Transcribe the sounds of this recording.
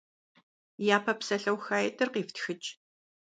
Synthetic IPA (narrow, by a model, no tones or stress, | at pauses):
jaːpʰɐpsɐɬɐwxaːjɛtʰɨrqiːftʰxɨt͡ʃʼ